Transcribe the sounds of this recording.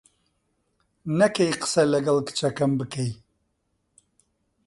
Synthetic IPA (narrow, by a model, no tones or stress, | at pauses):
nɐkejqɨ̥sɛlɐɡɐlkɨ̥t͡ʃɐkɐmbɨkej